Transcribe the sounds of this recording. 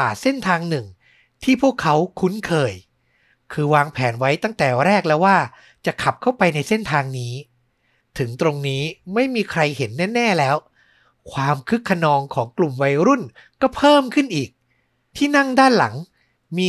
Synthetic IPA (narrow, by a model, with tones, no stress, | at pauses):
aː˨˩se˥˩nt̪ʰaː˧ŋnɯ˨˩ŋ | t̪ʰiː˥˩pʰu˥˩əkʰːa˦˥wkʰu˦˥nkʰɤː˧j | kʰɯː˧waː˧ŋpʰɛː˩˦nwa˦˥jt̪a˥˩ŋt̪ɛː˨˩ɾɛː˥˩k̚lɛː˦˥waː˥˩ | t͡ɕa˨˩kʰa˨˩p̚kʰa˥˩wpa˧jna˧jse˥˩nt̪ʰaː˧ŋniː˦˥ | t̪ʰɯ˩˦ŋt̪ɾo˧ŋniː˦˥ma˥˩jmiː˧kʰɾa˧jhe˩˦nːɛː˥˩nɛː˥˩lɛː˦˥w | kʰwaː˧mkʰɯ˦˥kʰːa˧nɔː˧ŋkʰɔː˩˦ŋklu˨˩mwa˧jɾu˥˩nkɔː˥˩pʰɤː˥˩mkʰɯ˥˩nʔiː˨˩k̚ | t̪ʰiː˥˩na˥˩ŋdaː˥˩nla̰˩˦ŋ | miː˧